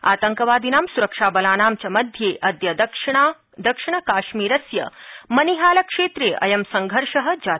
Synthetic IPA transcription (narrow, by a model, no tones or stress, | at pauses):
a̰ːt̪ɐŋkɐʋaːd̪inaːmsuɾɐkʂaːbɐlaːnaːmt͡ʃɐmɐd̪ʱjeːʔɐd̪jɐd̪ɐkʂ | d̪ɐkʂiɳ̃ɐkaːʃmiːɾɐsjɐ̰mɐniɦaːlɐkʂeːt̪ɾeːʔɐ̰jɐmsɐŋɡʱɐɾʂɐɦɐ̆d͡ʒaː